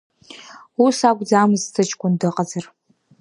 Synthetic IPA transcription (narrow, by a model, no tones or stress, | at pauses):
usakʷʼd͡zaːmɨztʰɨt͡ʃʰʼkʷʰʼʊndɨqʼazɐr